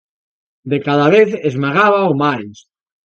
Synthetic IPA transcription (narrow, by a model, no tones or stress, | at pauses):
d̪ekaðaβeθezmaɣaβaomajs